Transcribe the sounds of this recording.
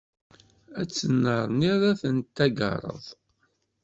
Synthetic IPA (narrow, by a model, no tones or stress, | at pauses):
æt͡sːənːəɾˤniɾˤæθənt̪ːæɡə̰ɾˤə̰ðˤ